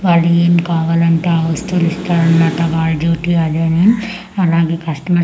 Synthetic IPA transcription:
ʋaːɭːeːmkaːʋaːlɐɳʈeɐʋɐst̪ʰulist̪aːɾɐnmaːʈɐʋaːɭd͡ʒuːʈiad̪eːnen | ɐlaːɡeːkɐsʈɐmɐ

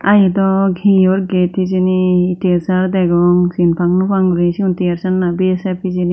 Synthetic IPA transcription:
ajɛd̪ɔɡʱiɔɾɡetiziniːtiasaɾd̪ɛɡɔŋsinpʰaŋnupaŋɡuɾisiuntiaɾsanːabiasapʰizini

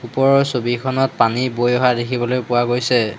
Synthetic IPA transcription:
upɔɹɔsobikʰɔnɔt̚panibojɔɦadekʰibɔlojpʊwaɡojsɛ

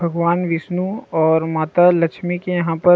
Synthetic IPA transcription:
bʱɐɡʋaːnʋɪsnuɔːɾmaːt̪alɐkʃmɪkejɐɦãpɐ

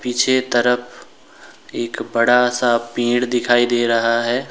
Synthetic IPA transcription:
piːt͡ʃʰet̪əɾəpʰ | eːkbɐɽasapĩːɽd̪ɪkʰaːid̪eːɾɐɦaɦɛː

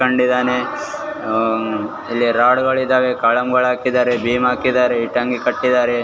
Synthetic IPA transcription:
ɐɳɖid̪aːne | ilːiɾaːɽɡɐɭid̪aːʋekaːɭɐmɡɐɭaːkid̪aːɾebiːmaːkid̪aːɾeiʈːaŋɡikɐʈːid̪aːɾe

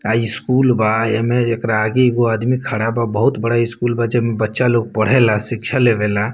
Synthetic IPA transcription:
aːiskuːlbaemẽekɾaːɡeɡoaːd̪mikʰaɽababəɦʊt̪bəɽaɪskuːlbad͡ʒəbmẽbətːʃaloːɡ̚pəɽ̤elasɪkʃʰaleʋela

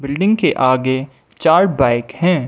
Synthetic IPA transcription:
bɪlɖɪ̃ŋɡkeʔaːɡe | t͡ʃaːɾɖ̚baːɪkhɛ̃ː

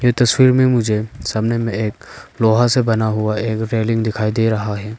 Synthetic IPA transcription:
et̪ɐswiɾmemũd͡ʒesabnemeːk̚lɔɦasebɐnaɦuwaekɾeliŋd̪ikʰajd̪eɾɐɦaɦɛ

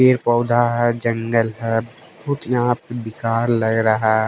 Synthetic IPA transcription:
eːɾpɔʊd̪ʱaɦɛd͡ʒə̃ŋɡəlɦɛːb | ʊt̪jɐɦãpebɪkaːɾləɡɾɐɦa

